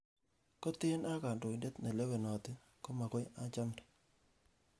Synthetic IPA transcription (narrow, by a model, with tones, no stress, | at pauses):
ko˦t̪ɪ˦na˦ka˨ndo˨i˨nde˦t̪ne˨le˦we˨nɔ˨t̪ɪ˦ | ko˦ma˨kɔ˦ja˨t͡ʃa˦mdḁ˨